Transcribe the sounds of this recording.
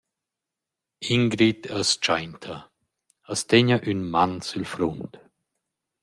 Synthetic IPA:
iŋɡɾitʰəst͡ʃajntʰə | əsteɲəʔynmansylfɾunt

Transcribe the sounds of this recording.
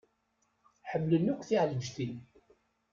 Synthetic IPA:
ħəmːlənːukʷːθiʕləd͡ʒθin

